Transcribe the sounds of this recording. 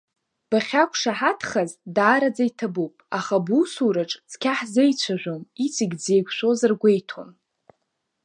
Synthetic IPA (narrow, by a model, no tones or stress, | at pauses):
b̥aχʲakʷʰʼʂaħatʰχazdaːɾad͡zaitʰabupʼaχabusuɾaʈ͡ʂʼt͡sʰkʲʰaħzejt͡ɕʷʰaʒʷᶣomit͡sʰiɡʲd͡zejkʷʰʃʷᶣo̞zarɡʷejtʰo̰n